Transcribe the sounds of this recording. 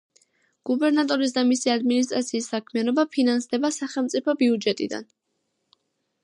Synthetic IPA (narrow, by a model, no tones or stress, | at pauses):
ɡ̥ubɛɾnat̪ʼɔɾis̬d̪amisiad̪minis̬t̪ʼɾat̪sʰiːsːakʰmianɔbapʰinansd̪ɛbasaχɛlˠmt̪sʼipʰɔbiud͡ʒɛt̪ʼḭd̪a̰n